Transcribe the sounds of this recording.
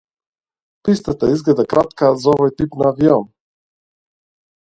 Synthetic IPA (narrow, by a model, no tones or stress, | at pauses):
pist̪ɛt̪ɛizɡlɛd̪akɾʔat̪kazɔvɔjt̪ipnaːvijɔm